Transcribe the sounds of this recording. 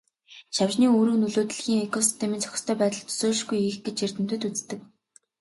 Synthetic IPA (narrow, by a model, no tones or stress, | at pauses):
ʃawt͡ɕniːoːɾuːnɵɮoːt̪̆ɮ̆xʲiːŋekʰɔsi̥st̪ʰemĭnt͡sʰœ̥xɪ̥̆st̪ʰœːpæːt̪ə̆ɮt̪ʰɵ̥soːɮ̆ʃɡujiːxɡet͡ɕir̥t̪ɘ̆m̥t̪ɵ̆t̪ut͡st̪ɘ̆k̚